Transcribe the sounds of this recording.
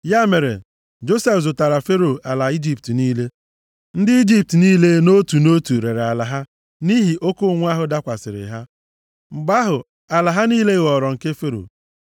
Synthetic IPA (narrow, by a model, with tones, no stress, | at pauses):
ja˦me˨ɾḛ˨ | d͡ʒo˦se˦fzʊ˨ta˨ɾa˨fe˦ɾo˨a˨la˨i˦d͡ʒi˦p̚tniː˦le˦ | n̩˦dɪ˦i˦d͡ʒi˦p̚tniː˦le˦no˦tu˨no˦tu˨ɾe˨ɾa˨la˨ɦa˦ | ni˦ɦi˨ʔo˦ko˦ŋʷ˦a˦ɦʊ˨da˦kʷa˨sɪ˨ɾɪ̰˨ɦa˦ | ŋ͡m̩˨ɡ͡ba˦ɦʊ˨ | a˨la˨ɦa˦niː˦le˦ɣɔ˨ɾɔ˨ŋ̩˨ke˦fe˦ɾo̰˨